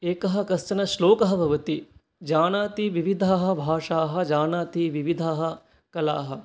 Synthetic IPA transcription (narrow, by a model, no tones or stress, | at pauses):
eːkɐɦɐ̆kɐst͡ʃɐnɐʃloːkɐɦɐbʱɐʋɐt̪i | d͡ʒaːnaːt̪iʋiʋid̪ʱaːɦɐ̆bʱaːʂaːɦɐ̆d͡ʒaːnaːt̪iʋiʋid̪ʱaːɦɐ̆ | kɐlaːɦɐ̆